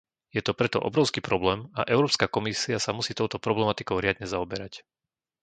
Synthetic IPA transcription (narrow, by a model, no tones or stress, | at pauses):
jɛt̪ɔpɾɛt̪ɔ̰ʔɔ̰bɾɔʊskiːpɾɔblɛːmaʔɛʊɾɔːpskakɔmisiasamusiːt̪ɔʊt̪ɔpɾɔblɛmat̪ikɔʊɾɪad̪ɲɛzaɔbɛɾac